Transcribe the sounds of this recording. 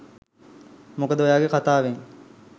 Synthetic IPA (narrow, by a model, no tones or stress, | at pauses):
mukəd̪əʋojaːɡekat̪aːʋeŋ